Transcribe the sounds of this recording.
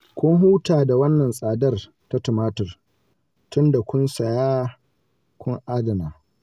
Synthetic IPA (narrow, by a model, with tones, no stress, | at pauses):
kʷʊ˦ŋɦuː˦taː˨da˨wɐ˦nːɐ˨nsʼaː˨dɐ˦r | ta˦tʊ˨maː˦tɪ˨r | tʊ˦nda˨kʷʊ˦nsɐ˨jaː˦ | kʷʊ˦ŋʔaː˦dɐ˨naː˨